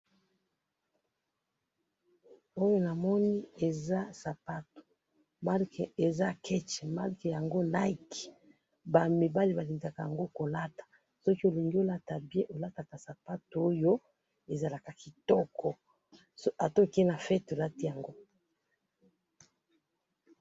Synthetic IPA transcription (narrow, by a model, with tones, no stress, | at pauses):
o˦jo˦na˨mɔ˦ni˦e˨za˦sa˨pa˦to̥˨ | ma˦lke˨za˦kʰɛ˦t͡ʃɛ˨ma˦lke˨ja˨ŋɡo˦na˦i˦˨ki̥˨ | ba˨me˨ba˦li˦ba˨li˨ŋɡa˨ka˨ja˨ŋɡo˦ko˨la˦tḁ˨ | sɔ˦ki˦o˨li˨ŋɡi˦o˦la˦ta˨bjɛ̃˦ʔo˨la˦ta˨ka˨sa˨pa˦to˨o˦jo˦ | e˨za˨la˨ka˨ki˨tɔ˦kʰɔ˨˦ | a˨to˦ki˦na˨fɛ˦to˨la˦ti˦ja˨ŋɡo˦